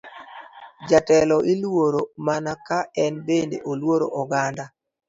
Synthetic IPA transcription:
d͡ʒatɛlɔʔilwoɾomanakaɛnbendḛʔolwoɾo̰ʔɔɡanda

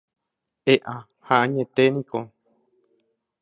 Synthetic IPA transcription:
eʔã | haʔãɲẽt̪enĩkʰo

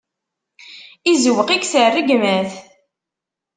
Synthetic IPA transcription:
izəwəqiɡθərːəɡmæθ

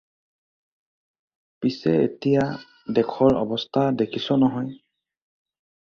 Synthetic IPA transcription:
pisɛḛtija | dɛkʰɔɹɔ̰bɔstʰadekʰisɔnɔɦɔj

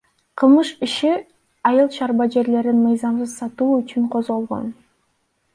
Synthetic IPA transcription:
qʰɯlˠmɯʃiʃi | ɑjɯlˠʃɑɾbɑd͡ʒe̞ɾle̞ɾinmɯjzɑmsɯzsɑt̪uːyt͡ʃyɴqʰo̞zʁo̞lˠʁo̰n

